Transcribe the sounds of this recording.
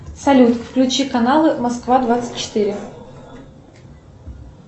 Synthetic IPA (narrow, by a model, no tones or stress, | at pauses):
sɐlʲut̪kfklʲʉt͡ɕikɐnalˠɨmɐskvad̪vat̪sɨ̥t̚ʲt͡ɕːɪ̥t̪ɨɾʲɪ